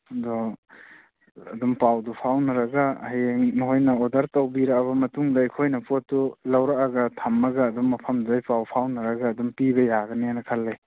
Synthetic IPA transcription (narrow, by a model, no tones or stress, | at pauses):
dɔ | ɐdumpawdupʰawnɐɾɐɡahajeŋnɦojnɐɔdɐɾtɐwbiɾakaβɐmɐtuŋdɐejkʰojnɐpotːulawɾaʔaɡɐtʰamːɐɡaːdumːɐpʰɐmduajpawpʰawnɐɾɐɡaːdumpibɐjaɡɐnianɐkʰalːej